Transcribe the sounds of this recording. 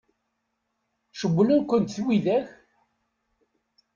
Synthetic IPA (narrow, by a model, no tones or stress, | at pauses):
ʃəɡʷːlənkʷːənt̪θwiðæç